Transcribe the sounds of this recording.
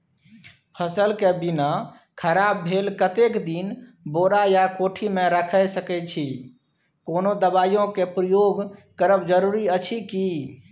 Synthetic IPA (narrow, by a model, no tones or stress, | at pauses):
pʰəsəlkebina | kʰəɾabːʱelkət̪ekd̪in | boɾajakoʈʰimeɾəkʰəsəkɛt͡ʃʰi | konod̪əbajõkepɾəjoɡkəɾəbd͡ʒəɾuɾiət͡ʃʰiki